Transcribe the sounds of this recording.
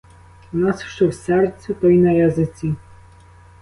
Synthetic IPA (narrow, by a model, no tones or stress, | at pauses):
unasʃt͡ʃɔwsɛrt̪sʲɛt̪ɔjnɐjazɪt͡sʲi